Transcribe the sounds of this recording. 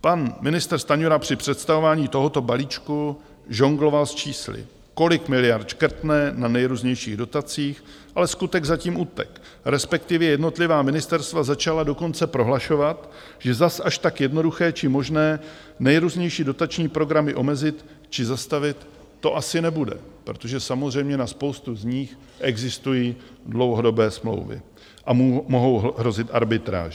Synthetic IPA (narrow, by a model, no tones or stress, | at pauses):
panmɪnɪst̪rst̪aɲuɾapr̝̥ɪpr̥ɛt̪st̪avo̞vaːɲiːt̪o̞ɦo̞t̪o̞baliːt͡ʃku | ʒoŋɡlo̞valst͡ʃiːslɪ̰ | ko̞lɪkmɪlɪjaɾt̪t͡ʃkɾ̩t̪nɛnanɛjɾuːzɲɛjʃiːɣdo̞t̪at͡siːx | ʔalɛskut̪ɛɡzaciːmʔuːt̪ɛ̰k | ɾɛspɛk̚t̪ɪvjɛjɛdno̞t̪lɪvaːmɪnɪst̪ɛɾst̪vazat͡ʃalado̞ko̞nt͡sɛpɾo̞ɦlaʃo̞vat̪ | ʒ̥ɛzasʔaʃt̪akjɛdno̞duxɛːt͡ʃɪmo̞ʒnɛː | nɛjɾuːzɲɛjʃiːdo̞t̪at͡ʃɲiːpɾo̞ɡɾamɪʔo̞mɛzɪt̪ | t͡ʃɪzast̪avɪt̪ː | o̞ʔasɪnɛbudɛ̰pɾo̞t̪o̞ʒɛsamozr̝ɛjmɲɛnaspo̞wst̪uzɲiːx | ʔɛɡzɪst̪ujiː | dlo̞wɦo̞do̞bɛːsmlo̰wvɪ̰ | ʔamo̞ɦo̞wɦɾo̞zɪt̪ʔa̰ɾbɪt̪ɾa̰ːʒɛ